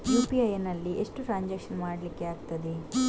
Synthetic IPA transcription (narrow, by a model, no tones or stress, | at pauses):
juːpiɐjenɐlːiʔeʂʈuʈɾaːnd͡ʒɐːkʂɐnmaːɽɐlikːiaːɡut̪ɐd̪i